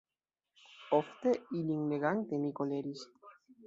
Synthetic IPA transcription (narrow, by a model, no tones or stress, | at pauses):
oft̪eiliŋleɣaŋt̪enikoleɾis